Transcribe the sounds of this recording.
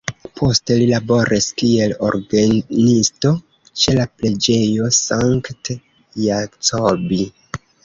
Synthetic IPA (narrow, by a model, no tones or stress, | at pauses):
pʰo̞ste̞lilabo̞ɾʔiskie̞lo̞̰ɾɡanisto̞ | t͡ʃe̞laple̞d͡ʒe̞jo̞saŋkt | jakt͡sobi